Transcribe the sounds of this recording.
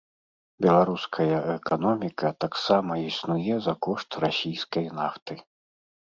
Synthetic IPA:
bʲɛlˠaɾuskʰɐjɐʔɛkanɔmʲikɐt̪aksamɐisnujɛzɐkɔʂt̪rasʲijskɐjnaft̪ɨ

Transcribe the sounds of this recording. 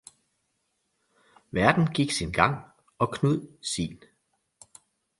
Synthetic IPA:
ʋæɐd̥n̩ɡ̥iɡ̥sinɡ̥ɑ̈ŋ̰ | ɒ̽kʰnuð̰ˠsḭːn

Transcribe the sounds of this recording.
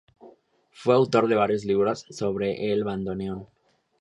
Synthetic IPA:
fwe̞awt̪o̞ɾðe̞β̞aɾjozliβɾasːo̞βɾe̞ʔelβand̪o̞neon

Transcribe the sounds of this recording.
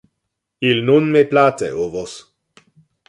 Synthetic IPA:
ilnunmeplatḛovos

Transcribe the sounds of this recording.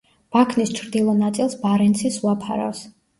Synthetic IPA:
b̥akʰnist͡ʃʰɾd̪ilˠɔnat̪sʼilˠsbaɾɛnt̪sʰisuapʰa̰ɾɔ̰s

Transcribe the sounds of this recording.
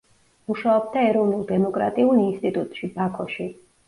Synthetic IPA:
muʃaɔb̚d̪aɛɾɔvnulˠd̪ɛmɔkʼɾa̰t̪ʼiulinst̪ʼit̪ʼut̪ʼʃibakʰɔʃi

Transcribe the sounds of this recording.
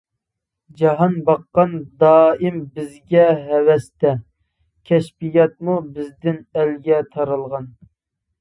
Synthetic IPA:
d͡ʒɑɦɑnbɑqːɑnd̪ɑːimbɪzɡʲɛɦɛwɛst̪ɛ | kʲʰɛʃpijɑt̪̚mubɪzd̪ɪnɛlɡʲɛt̪ʰɑɾɨlˠʁɑn

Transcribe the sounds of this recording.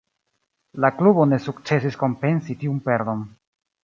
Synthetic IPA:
laklubo̞ne̞suk̚t͡se̞s̬isko̞mpe̞nsitiumpe̞ɾd̪o̞n

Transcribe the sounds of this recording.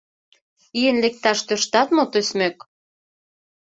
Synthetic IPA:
iĕnlek̚t̪ɑʃt̪øʃt̪ɑt̪mot̪øsmek

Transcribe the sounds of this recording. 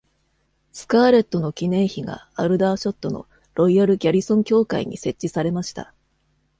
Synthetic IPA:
sɨ̥kaːɾe̞t̪ːo̞no̞kʲinẽ̞ɰ̃çiɡa̰aɾɯ̟d̪aːɕo̞t̪ːo̞no̞̰ | ɾo̞iaɾɯ̟ɡʲaɾʲisõ̞ŋkʲo̞ːkaḭɲ̟ḭse̞t͡ɕːisaɾe̞maɕi̥t̪a̰

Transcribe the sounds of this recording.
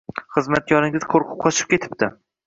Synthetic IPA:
χɨzmat̪̚jɒnɪŋʲɪz̥qʰoɾqʰʊ̥p̚qʰɒt͡ʃʰɪ̥p̚kʲʰe̞t̪ʰɪ̥p̚t̪ɪ

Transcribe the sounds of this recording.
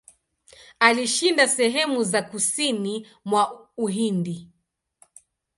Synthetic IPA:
aliʃindasɛɦɛmuzakusini | mwauɦindi

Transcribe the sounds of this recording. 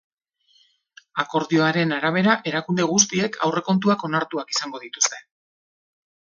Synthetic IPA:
ako̞ɾðio̞aɾe̞naɾaβ̞e̞ɾaʔe̞ɾakund̪e̞ɣ̞ust̪ie̞kʰa̰wre̞ko̞nt̪̬uako̞naɾt̪uakisaŋɡo̞ðit̪u̥st̪e̞̥

